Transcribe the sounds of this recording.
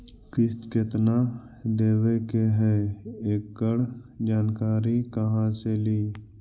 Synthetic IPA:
kɪst̪kɪt̪na | d̪eːwekeɦɛeːk̚ɡəɽd͡ʒaːnkaːɾikəɦãseliː

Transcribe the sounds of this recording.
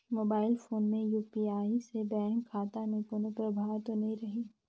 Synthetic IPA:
moːbaːɪlfoːnmẽjuːpiaːisebɛːŋkʰːaːt̪anẽpʊnəpɾɐbʱaːʋt̪onɐɦĩɾɐɦiː

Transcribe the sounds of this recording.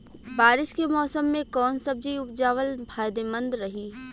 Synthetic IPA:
baːɾɪʃkemɔːsəmːẽkɔːnsɐb̚d͡ʒiʊpd͡ʒaːʋəlbʱaːjd̪emə̃nd̪ɾɐɦiː

